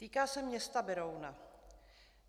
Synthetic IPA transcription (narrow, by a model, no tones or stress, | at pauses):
t̪iːkaːsɛmɲɛst̪abɛɾowna